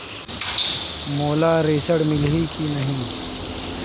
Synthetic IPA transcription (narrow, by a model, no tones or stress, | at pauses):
moːlaːɾeːsəɽmɪlɦikʰinɐɦĩː